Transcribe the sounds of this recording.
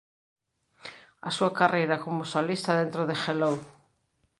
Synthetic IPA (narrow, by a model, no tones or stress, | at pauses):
ɐsuakarejɾɐkomosolist̪ɐðent̪ɾoðexelow